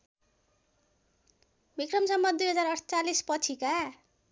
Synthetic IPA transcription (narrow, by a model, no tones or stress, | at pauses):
bikrʌmsʌmːʌd̪ujɦʌd͡zarʌʈt͡salispʌt͡sʰika